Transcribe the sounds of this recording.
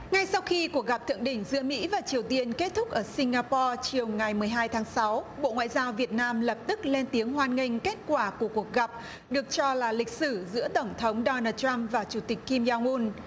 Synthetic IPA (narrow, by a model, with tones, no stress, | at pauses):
ŋa˧jsa˧wxi˧ku˨˩ək̚ɣa˨˩p̚t̪ʰɨ̰˧˨əŋɗï˧˩ŋ̟zɨ̰˧˥əmḭ˧˥vaː˨˩t͡ɕi˨˩əwt̪i˧ənke˦˥t̚t̪ʰʊ˦˥k̚ʔəː˧˩si˧ŋ̟ɣaː˧pɔ˧t͡ɕi˨˩əwŋa˨˩jmɨ˨˩əjɦaː˧jt̪ʰaː˨˦ŋsa˨˦wɓo̰˧˨ŋwa̰ː˧˨jzaː˧wvi˨˩ət̚naː˧mlə˨˩p̚t̪ɨ˦˥k̚le˧nt̪i˨˦əŋhwaː˧nŋï˧˩ŋ̟ke˦˥t̚kwaː˧˩ku˧˩əku˨˩ək̚ɣa˨˩p̚ | ɗɨ˨˩ək̚t͡ɕɔ˧laː˨˩lï˨˩k̟̚sɨ˧˩zɨ̰˧˥ət̪ə˧˩wŋ͡mt̪ʰə˨˦wŋ͡mɗɔ˧naː˧t̚t͡ɕa˧mvaː˨˩t͡ɕu˧˩t̪ï˨˩k̟kːi˧mzaː˧ŋʔu˧n